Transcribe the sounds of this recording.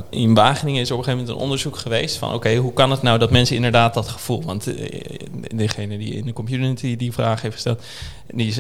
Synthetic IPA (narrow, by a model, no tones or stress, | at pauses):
ɪnʋaːχənɪŋəɪsəɹɔpəχejfmɛntə̰nʔɔ̰ndəɹzukχəʋejstfɑ̰nʔo̰wkejɦukɑnətnawdɑtmɛnsəɪndəɹdaːt̚dɑtχə̥v̥ulˠʋɑnt | dəχejnədiɪ̰ndəkɔmpjunɪtidivraːχɦejftχə̥stɛ̰lˠt | di